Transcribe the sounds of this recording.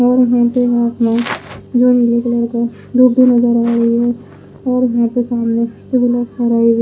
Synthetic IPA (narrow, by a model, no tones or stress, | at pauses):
ɔːɾjɐɦãpeɦaːsmãd͡ʒoːnilekeləɾka | ɖ̪uːbʱːinɐzəɾːəɦɾɐɦiɦɛ | ɔːɾjɐɦãpesaːmnetebɪləkəɾaːiɦɛ